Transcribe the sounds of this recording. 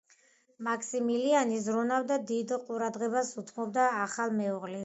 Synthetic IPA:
makʰsimilianizɾunavd̪ad̪id̪qʼuɾad̪ʁɛbasut̪ʰmɔb̚d̪aːχalˠmɛuʁlɛ

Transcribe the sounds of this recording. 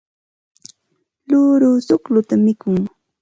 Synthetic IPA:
lʊɾʊːsʊklʊt̪amɪkʊŋ

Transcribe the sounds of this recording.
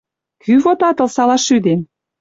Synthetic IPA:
kʰyβot̪ɑt̪ɤ̆lsɑlɑʃyd̪em

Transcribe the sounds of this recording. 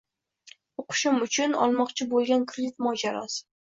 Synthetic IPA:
oqʰʊ̥ʃɪmʊt͡ʃʰʊnɒ̰lˠmɒqt͡ʃʰɪbolˠɡʲankʰɾed̪ɪt̪̚mɒd͡ʒaɾɒ̰sɪ̥

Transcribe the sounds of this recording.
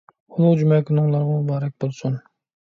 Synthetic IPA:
unud͡ʒumɛkʲʰynʊŋlˠɑɾʁɑubɑːɾak̚ʲbolˠsun

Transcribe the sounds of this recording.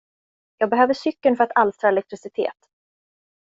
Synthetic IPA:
jɑːɡbɛɦøːvəʂʏkːənfœɾat̪ʰalst̪ɾɑːɛlɛk̚t̪ɾɪsɪt̪ʰḛːt̪

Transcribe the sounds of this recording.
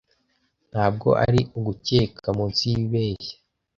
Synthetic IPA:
n̥haːb̚ɡo̞̰ʔa̰ɾiuɡuce̞ːkʰamunt͡siβeːçḁ

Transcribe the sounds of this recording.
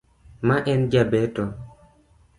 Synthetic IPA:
maʔɛnd͡ʒabɛtɔ

